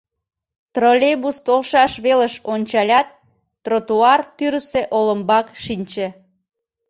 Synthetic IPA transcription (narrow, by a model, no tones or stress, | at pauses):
t̪rolʲebust̪olʃɑʃβeləʃonʲt͡ɕɑlʲɑt̪̚ː | rot̪uɑrt̪yɾəseʔoləmbɑkʃinʲt͡ɕĕ